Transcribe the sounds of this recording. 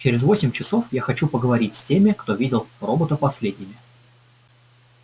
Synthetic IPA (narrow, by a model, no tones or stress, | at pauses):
t͡ɕɪɾʲɪzvo̞sʲɪmʲt͡ɕɪso̞fjaxɐt͡ɕupəɡəvɐɾʲitʲsʲtʲemʲɪkt̪o̞vʲidʲɪlˠro̞bət̪əpɐsʲlʲedʲnʲɪmʲɪ